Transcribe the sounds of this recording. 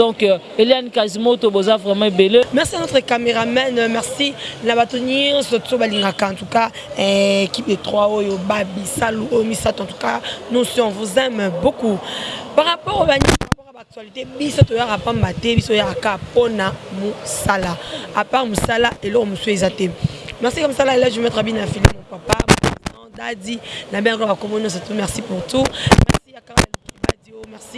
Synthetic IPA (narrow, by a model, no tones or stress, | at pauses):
dɔ̃k | elianikazimãotobozavʁɛmɑ̃ebelemɛʁsianot̪χɛkameʁamɛnmɛʁsinabatuɲɛ̃sotsobaliŋɡakãtuka | ekip̚detʁwaojobabisaluojomisatãtu̥kanɔ̃sjɔ̃vuzɛmbokupaʁapɔʁobaɲippɔʁabak̚tɥalitebisotojaʁapãmbatɛbisoojaakaponamosalaapaʁmosalaʔelɔkomosuezatɛmɛʁsikamosalaelɛʒmɛtʁabinafilḭmopapabosɑ̃dadinabẽkabakomonɔ̃s̬atumɛʁsipuʁtumɛ̰siakaalokdadiojomɛʁsi